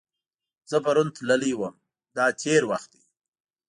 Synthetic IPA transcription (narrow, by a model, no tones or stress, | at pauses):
z̥əpaɾunt̪laliwəm | d̪ɑt̪ʰeɾwaxt̪̚d̪i